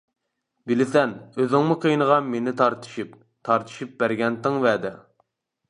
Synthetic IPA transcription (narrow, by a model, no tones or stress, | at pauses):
bɪlɪsɛnøzɪŋmʊqʰəjnəʁɑmenɪt̪ʰɑɾt̪ʰɨ̥ʃip | t̪ʰɑɾt̪ʰɨ̥ʃip̚bæɾɡʲɛnt̪ɪŋvæːd̪ɛ